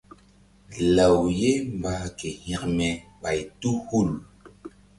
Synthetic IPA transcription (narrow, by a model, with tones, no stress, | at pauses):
lə˨wje˦mba˨ke˨hã˨kmɛ˨ɓa˨jtu˦hu˦˨l